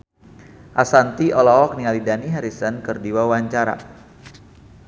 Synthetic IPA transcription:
ʔasant̪iʔɔlɔɔk̚nialidaniɦaɾisənkɨrdiwawaɲt͡ʃaɾa̰

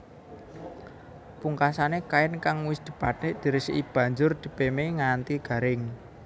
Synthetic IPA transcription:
puŋkasanekaɪnkaŋwɪsd̪̥ə̤pat̪ned̪̥i̤ɾɪsib̥ä̤ɲd͡ʒʊrd̪̥i̤pemeŋant̪iɡ̥ä̤ɾɪŋ

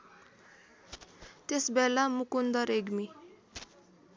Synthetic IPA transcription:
t̪esbɛlamukund̪ʌɾeɡmi

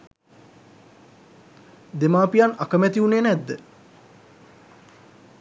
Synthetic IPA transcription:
d̪emaːpijanakəmɛt̪iuneːnæd̪ːə

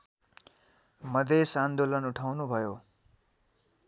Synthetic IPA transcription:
mʌd̪ʱesand̪olʌnuʈʰawnubʱʌjo

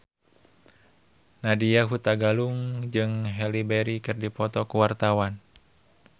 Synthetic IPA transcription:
nadiaɦut̪aɡaluŋd͡ʒɨŋɦɛlibɛɾikɨrdipɔt̪ɔkuwart̪awan

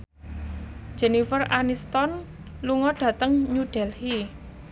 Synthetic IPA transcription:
d͡ʒɛnifəranist̪ɔn | luŋɔɖ̥ä̤t̪əŋɲuɖ̥ɛlhi

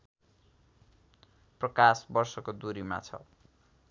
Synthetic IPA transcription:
prʌkasbʌrsʌkod̪uɾima̰t͡sʰʌ̰

